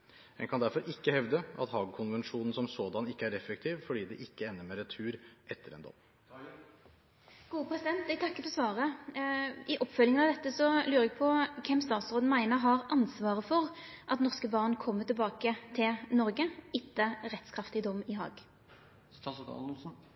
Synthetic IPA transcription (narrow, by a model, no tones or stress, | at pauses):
ɛ̰nkʰɑnd̪æɾfɔɾʔɪkːəhɛʋd̪əɑ̰t̪hɑːɡkʰʊnʋɛnʂuːnn̩sɔmsoːd̪ɑnɪkːəæɾɛfɛk̚t̪ʰiːʋfɔɖiːd̪ɛʔɪkːəɛnːəɾmɛɾɛt̪ʰʉːɾʔɛt̪ʰːəɾɛ̰nd̪ɔ̰mː | ɡ̥uːəpʰʁɛsɪd̪ɛnt̪ɛt̪ʰɑkːəfɔsʋɑːʁə | ɪʔɔpːfœlɪŋnɑʋd̪ɛt̪ːəsɔlʉːɾɛɡ̚pʰɔkʰɛmːst̪ɑːt̪sɾoːd̪n̩mæɪnəɦɑʁʔɑnsʋɑːʁəfɔʁʔɑt̪nɔʁskəbɑʁnkʰɔmːət̪ɪlbɑːkət̪ʰɪlnɔɾɡəɪt̪ʰːəʁɛt̪skʰɾɑft̪ɪd̪ɔmːɪɦɑ̰ːɡ